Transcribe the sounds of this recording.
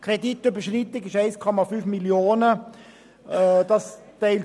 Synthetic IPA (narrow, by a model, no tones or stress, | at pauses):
krɛditybəʃritɪɡɪʃaɪskʰɔmɑfyfmiljoːnə | d̥ɑstɛɪl